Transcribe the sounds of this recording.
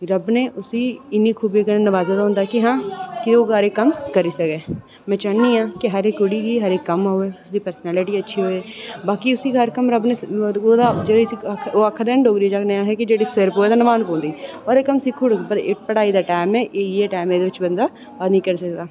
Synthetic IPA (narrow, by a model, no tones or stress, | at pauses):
ɾəbneːʔʊsiːɪnːiːkʰuːbiːkənenəʋaːzaːd̪aːɦʊ̃nd̪aːkɪɦãːkɪoːɡaɾeːkəmkəɾiːsəkeː | mɛ̃ːt͡ʃaːniːãːkɪɦəɾeːkʊɽiːɡiːɦəɾeːkːəmɦoːeːʊsd̪iːpəɾsənɛːlɪʈiːətːʃʰiːɦoːeːbaːkiʊsiːɦəɾkəmɾəbneːoːd̪ad͡ʒeisioːakʰːd̪eːəɳɖoːɡɾiːd͡ʒaːkneːãːɦɛːkɪd͡ʒeːɽiːsɪɾpɦoːɛːt̪aːnəʋaːnpɔ̃ːnd̪iːoːɾeːkəmsɪkʰːoːɽpəɾɪpəɽaːiːd̪aːʈaːmɛːʔeːeːʈaːmẽːd̪eːʋɪt͡ʃbənd̪aː | aːd̪nĩːkəɾiːsəkd̪aː